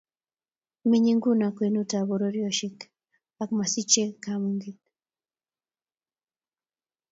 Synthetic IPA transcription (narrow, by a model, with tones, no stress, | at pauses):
mi˦ɲi˦ŋɡu˦na˨kwe˨nu˦ta˨βɔ˨ɾo˦ɾjɔ˦ʃi˦k | a˨kma˨si˦t͡ʃe˦kamŋɡi˦